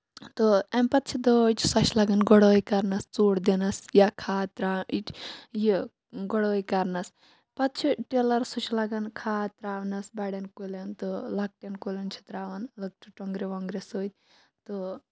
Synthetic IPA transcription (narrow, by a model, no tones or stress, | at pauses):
t̪oɐmpɐt̪̚t͡ʃʰid̪oit͡ʃsɐt͡ʃʰlɐɡɐnɡɔɽoːjkɐɾnɐst͡suːɽd̪inɐsjakʰaːt̪ɾaːit͡ʃji | ɡɔɽoːjkɐɾnɐs | pɐt̪̚t͡ʃʰiʈelɐɾsut͡ʃʰilɐɡɐnkʰaːt̪ɾaːʋnɐsbaɽenkolɐnt̪ɨlɐk̚ʈenkolɐnt͡ʃʰi̥t̪ɾaːʋɐnlɐk̚ʈʰuʈɔŋɡɾiʋɔŋɡɾesoːt̪̚ʲ | t̪o